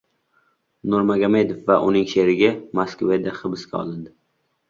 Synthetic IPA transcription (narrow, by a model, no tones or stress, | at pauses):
nʊɾmaɡamed̪efːaʔʊnɪŋʃeɾɪɡʲamaskved̪aχɨbɪskʲaɒ̰lˠɪnd̪ɪ